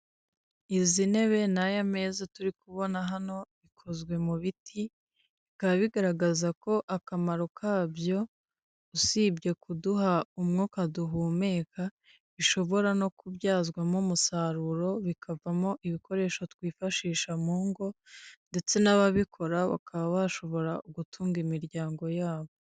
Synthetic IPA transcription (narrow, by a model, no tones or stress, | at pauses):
izine̞βe̞najame̞ːzatuɾikuβo̞naɦano̞βikʰo̞zɡwe̞muβitʰi | ikaβaβiɡaɾaɡazako̞ʔakamaɾo̞kʰaːbjo̞ | usiːbɟe̞kuduɦaumŋokaduɦuːme̞ːka | βiʃo̞βo̞ɾano̞kuβjaːzɡwamumusaɾuɾo̞βikʰavamo̞ʔiβiko̞ɾe̞ːʃo̞twiːfaʃiːʃamuːŋɡo̞nde̞t͡se̞naβaβikʰo̞ɾaβa̰kʰaβaβaʃo̞βo̞ɾaʔuɡutʰuːŋɡimiɾɟaːŋɡo̞jaːβo̞